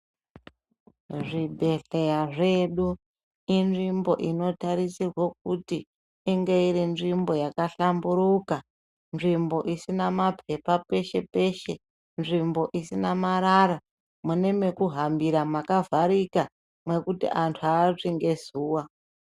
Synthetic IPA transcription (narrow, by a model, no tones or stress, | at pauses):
ʐibʱe̞ɬe̞jaʐe̞ɗu | inʐimbo̞ʔino̞taɾisirwok̚utiː | ŋɡe̞iɾinʐimbo̞jakaɬambuɾuka | nʐimbo̞ʔisinamapʰe̞pape̞ʃe̞pe̞ʃe̞ | nʐimbo̞ʔisinamaɾaɾa | mune̞me̞kuɦambiɾamakavʱaɾika | mwe̞kutḭʔantʰuaːt͡ʂiŋɡe̞zuːwa